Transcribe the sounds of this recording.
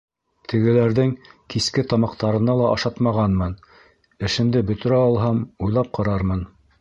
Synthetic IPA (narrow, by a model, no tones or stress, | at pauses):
t̪ʰɘ̆ɡɘ̆læɾðɘŋkiskɘt̪ɑmɑqt̪ɑɾɤ̆nɑlˠɑʔɑʃɑt̪mɑʁɑnmɤn | ɘ̆ʃɘ̆nd̪ɘbɵ̆t̪ɘ̆ɾæɑlˠɦɑmujlˠɑp̚qɑɾɑɾmɤn